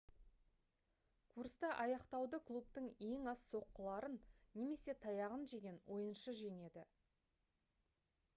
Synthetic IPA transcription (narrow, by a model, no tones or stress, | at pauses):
kʰuɾst̪ɑʔɑjɑqt̪ɑwd̪əklˠup̚t̪əŋe̞ŋɑsso̞qːəlˠɑɾənːʲe̞me̞se̞t̪ʰɑjɑʁənʒe̞ɡʲe̞nwʔo̞jənʃəʒe̞ne̞d̪ɪ